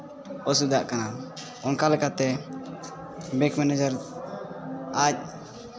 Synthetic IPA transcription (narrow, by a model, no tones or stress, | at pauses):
ɔs̬ud̪aʔkana | ɔnkalɛkat̪ɛ | bɛkmɛnɛd͡ʒəɾ | ac̚